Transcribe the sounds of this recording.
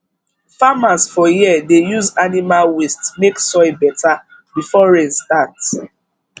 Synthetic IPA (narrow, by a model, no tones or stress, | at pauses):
famasfɔjiədejuzanimalwistmeksɔɪbɛta | bifɔɹẽnstat